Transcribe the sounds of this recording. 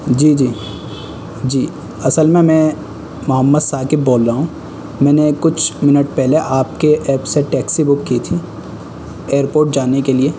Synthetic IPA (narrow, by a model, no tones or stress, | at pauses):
d͡ʒiːd͡ʒiː | d͡ʒiː | ɐsəlmẽmɛ̃ | mʊɦəmːəd̪saːkebːoːlɾaːɦũ | mɛ̃ːnekʊt͡ʃʰmɪnəʈpɛɦleʔaːpkeʔɛːpseʈɛːksibʊkːit̪ʰi | eːəɾpoːɾʈ̚d͡ʒaːnekelieː